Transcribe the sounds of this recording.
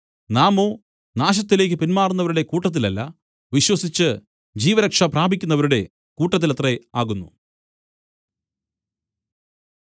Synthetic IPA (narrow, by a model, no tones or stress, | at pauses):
naːmo̞ː | naːɕ̬ɐt̪ːile̞ːk̬ʲːɨpinmaːrunːɐʋɐɾuɽe̞kuːʈːɐt̪̬ːilɐlːɐ | ʋiɕwɐsit͡ɕːɨ | d͡ʑiːʋɐɾɐkʂɐpraːbʱikʲːunːɐʋɐɾuɽe̞ | kuːʈːɐt̪ːilɐt̪reaːɣunːṵ